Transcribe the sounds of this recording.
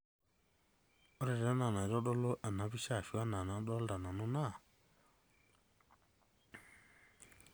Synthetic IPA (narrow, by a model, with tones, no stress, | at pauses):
ɔ˦ɾɛ˨ɾa˦na˨na˨ɾɔ˦dɔ˦lo˦ʔa˨na˨˦bi˦ʃa˦˨ʃi˨˦a˦na˨na˨˦dɔ˦lda˨na˨nɔ˦na˦˨